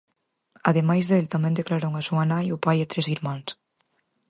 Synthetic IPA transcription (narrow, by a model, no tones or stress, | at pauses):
aðemajzðeelt̪amẽnd̪eklaɾoŋasuanajupajet̪ɾeziɾmans